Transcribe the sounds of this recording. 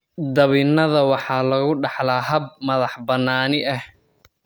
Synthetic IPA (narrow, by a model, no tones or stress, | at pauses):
d̪ɐβɪnɐðɐwɑħɑːlɐɣʊɖɑħlaːɦɐb̚mɐðɑħbɐnːaːnɪʔɐh